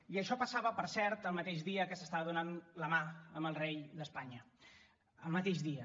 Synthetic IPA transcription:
iəʃɔpəsaβəpəɾsɛɾt̪əlˠmət̪eʒðiəkəsəst̪aβəðunanləmaəmbəlˠrejðəspaɲə | əlˠmət̪eʒðiə

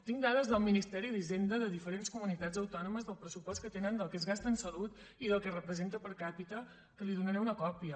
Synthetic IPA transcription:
t̪iŋd̪aðəzðəlˠminist̪ɛɾiðizend̪əðəðifəɾenskumunit̪ad͡zəwt̪ɔnuməzðəlˠpɾəsupɔst̪̚kət̪enənd̪əlˠkezɣast̪ənsəlut̪ | iðəlˠkərəpɾəzent̪əpəɾkapit̪ə | kəliðunəɾɛunəkɔpiə

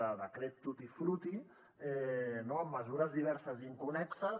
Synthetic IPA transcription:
əðəkɾɛt̪ːut̪ifɾut̪i | ɛnoəmːəzuɾəzðiβ̞ɛɾsəziŋkunɛksə

